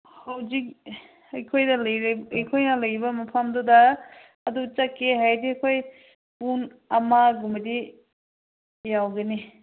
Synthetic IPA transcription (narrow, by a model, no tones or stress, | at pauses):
hawzik̚ | ɐjkʰojdɐlɐjɾɐjkʰojnɐlɐjbɐmɐpʰamdudɐː | dut͡ʃakeɦajdiɐkʰoj | pun | ɐmaɡumɐdi | jawɡɐni